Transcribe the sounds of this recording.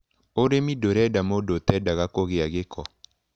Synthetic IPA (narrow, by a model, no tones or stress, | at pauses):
oɾemidoɾɛdamodot̪ɛdaɣakoɣɪaɣekʰɔ